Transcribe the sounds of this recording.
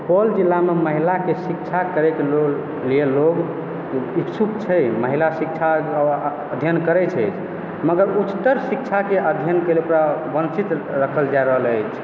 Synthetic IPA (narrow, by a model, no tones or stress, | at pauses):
pold͡ʒilːameməɦilakesik̚t͡ʃʰakəɾeklo | lieloɡ | iksʰukt͡ʃʰɛjməɦilasik̚t͡ʃʰa | əd̪ʱjənkəɾɛt͡ʃʰəjt͡ʃʰ | məɡəɾut͡ʃt̪əɾsik̚t͡ʃʰakeʔəd̪ʱjənkəleupɾabənt͡ʃit̪ɾəkʰəld͡ʒajɾəɦələjt͡ʃʰ